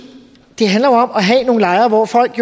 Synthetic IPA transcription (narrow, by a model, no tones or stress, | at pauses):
d̥e̝ɦænlɐjoɒ̽mɒɦɛno̝ːn̩lɑ̈ɪɐːʋɒfɒl̰ɡ̥jo